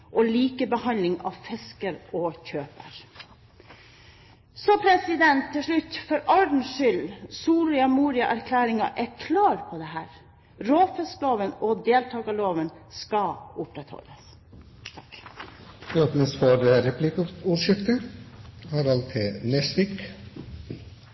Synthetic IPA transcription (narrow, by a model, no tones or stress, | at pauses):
ʔɔliːkəbəhɑnlɪŋɑ̰ʋfɛskəɾoːçøːpə̰ɾ | sɔpʰɾɛsɪd̪ɛnt̪ʰːɪlʂɭʉt̪ːfɔɾɑɖn̩ʂʏlsuːɾɪɑmuːɾɪɑʔæɾkʰlæːɾɪŋɑ̰ʔækʰlɑːɾpʰɔd̪ɛɦæːɾ | ɾoːfɛskloːʋənɔd̪eːlt̪ʰɑːɡɑloːʋən | skɑʊpɾɛt̪hɔ̰lːəs | çøːpənəsfɔɾəɾɛpʰlɪkuːʂʏkt̪ə | hɑːɾɑlt̪ʰɪnɛsʋɪk